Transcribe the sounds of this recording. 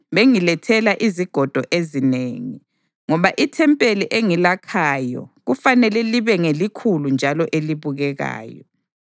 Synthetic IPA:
βeŋilɛtʰɛlaʔiziɡ̥ʱɔd̥ʱɔʔezineːŋi | ŋɔβaʔitʰɛmpʼeliʔeŋilakʰaːjɔ̰ɣufanɛlɛliβɛŋelikʰulund͡ʒʱalɔʔeliβuɣɛɣa̰ːjɔ

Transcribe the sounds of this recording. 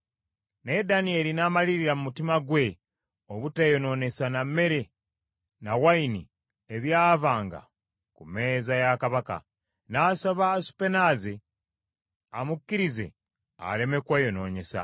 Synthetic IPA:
ne̞danie̞linaːmaliɾiɾamumutimaɡwe̞ | oβutejo̞no̞ːne̞saname̞ɾe̞ | nawaini | eβjaːvaːŋɡa̰ | kume̞ːzajakaβaka̰ | naːsoβaːsu̥pe̞naze | amukːiɾize̞̰ | a̰le̞me̞kwejo̞no̞ːɲe̞sa̰

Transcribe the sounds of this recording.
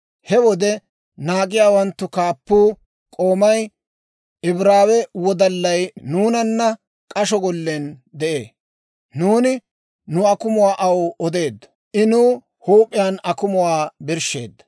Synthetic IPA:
hɛwɔd̪ɛ | naːkʼɪjaːwɐnt̪ːʊkaːpːuː | kʼo̞ːmɐj | ɪbɾaːwɛwɔd̪ɐlːɐjnuːnɐnːɐ | kʼɐʃɔɡɔlːend̪ɛʔeː | nuːnɪ | nʊɐkʊmʊwaːʔɐwɔd̪e̞ːd̪ːɐ | ʔɪnuː | huːpʼːɪjaːnɐkʊmʊwaːbɪɾʃe̞̰ːd̪ːɐ̥

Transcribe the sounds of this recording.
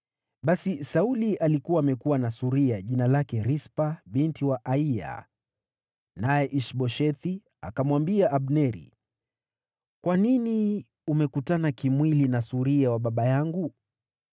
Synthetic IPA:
ɓasisaulialikuwaːmɛkuwanasuɾiaʄinalakɛɾispaɓintiwaʔaia̰ | najɛʔiʃɓɔʃɛt̪i | a̰kamwambiaʔːɓnɛɾḭ | kwanini | umɛkutanakimwilinasuɾiawaɓaɓajaŋɡu

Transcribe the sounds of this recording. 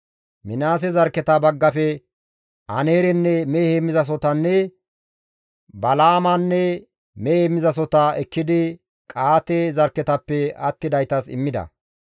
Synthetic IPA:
mɪnaːs̬ɛzɐɾkɛt̪ɐbɐɡːɐfɛ | ɐ̰neːɾɛnːɛmehemːɪzɐs̬ɔt̪ɐnːɛ | bɐlaːmanːɛ | meemːɪzɐs̬ɔt̪ɐɛkːɪd̪ɪ | kʼaːt̪ezɐɾkːɛt̪ɐpːɛɐt̪ːɪd̪ɐjt̪ɐsɪ̰mːɪd̪ɐ̰

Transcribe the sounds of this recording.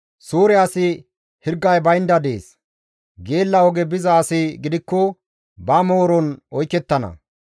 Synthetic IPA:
suːɾɪasɪ | hɪɾɡːɐjbɐjɪnd̪ɐd̪ḛːs | ɡe̞ːlːɐɔɡɛbɪzaːsɪɡɪd̪ɪkːɔ | bɐmoːɾɔnɔjkːɛt̪ːɐnɐ̰

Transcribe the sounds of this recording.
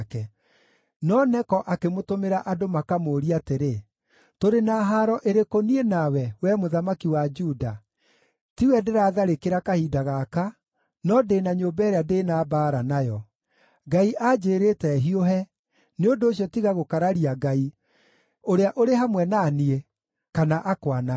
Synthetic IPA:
kɛ | nɔnɛkɔʔakemotomeɾaʔadomakamoːɾiateɾe | toɾenaːɦaɾɔʔeɾekonienawɛwɛmoðamakiwad͡ʒuda | tiwɛdeɾaːðaɾekeɾakahidaɣaka | nɔdeːnaɲombɛɾeadeːnaːbaːɾanajɔ | ɡaiʔad͡ʒeːɾetɛɦioɦɛ | neondoːɕjɔtiɣaɣokaɾaɾiaɡai | oɾeaʔoɾeɦamwɛnaːnie | kanaʔakwana

